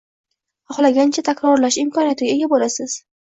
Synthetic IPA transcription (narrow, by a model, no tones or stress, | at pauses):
ɒχlˠaɡʲant͡ʃʰat̪ʰakʲɾɒɾlaʃɪmkʰɒnijat̪ɪɡʲae̞ɡʲabolasɪz̥